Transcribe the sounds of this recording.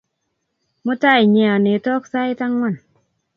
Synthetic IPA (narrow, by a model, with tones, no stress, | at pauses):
mo˦ta˦˨i˨ɲɛ˧˨a˨ne˨˦tɔ˦k̚sa˦jta˦ŋwɔ˦˨n